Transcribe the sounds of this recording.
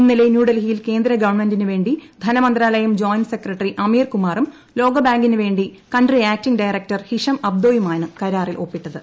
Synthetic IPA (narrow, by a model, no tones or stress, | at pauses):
inːilɐjnjuːɽɐlɦijilke̞ːnd̪ɾɐɡɐʋɐɳmendinɨʋe̞ːɳɖid̪ʱɐnɐmɐnd̪raːlɐjɐmd͡ʑoːjnsekrɐʈːriʔɐmiːrkumaːrum | lo̞ːɡɐbaːŋɡinɨʋe̞ːɳɖikɐɳɖriaːk̚tiŋɖɐjrek̚tɐrhiʂɐmɐb̚d̪oːjumaːnɨkɐɾaːrilʔo̞̰ːpːiʈːɐðɨ